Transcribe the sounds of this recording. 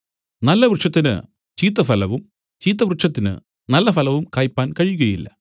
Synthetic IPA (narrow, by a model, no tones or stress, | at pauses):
nɐlːɐʋrɨʂɐt̪̬ːinɨ̰ | t͡ɕiːt̪ːɐfɐlɐʋum | t͡ɕiːt̪̬ːɐʋrɨʂɐt̪ːinɨ̰ | nɐlːɐfɐlɐʋumkaːjpːaːnkɐɻijuɣɐjilːɐ̰